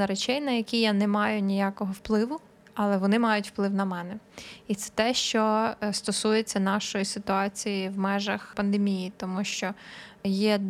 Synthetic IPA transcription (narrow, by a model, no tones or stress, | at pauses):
ɐɾet͡ʃɛjnɐjɐkʲijanɛmɑjʊnʲijakɔɦɔwplˠɪʋʊ | ɐlˠɛʋɔnɪmɑjʊtʲw̥plˠɪwnɐmɛnɛit̪sɛ̥t̪ɛʃt͡ʃɔst̪ɔsujet͡sʲːɐnɑʃɔjisɪt̪ʊɑt͡sʲijiwmɛʒɐxpɐnd̪emʲijit̪ɔmuʃt͡ʃɔjɛ